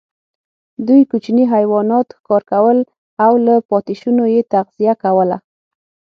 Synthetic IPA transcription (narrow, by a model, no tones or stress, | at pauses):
d̪ujkut͡ʃniɦajwɑnɑt̪xkɑɾkawəl | awlapɑt̪ɪʃunojet̪aɣz̥ijakawəla̰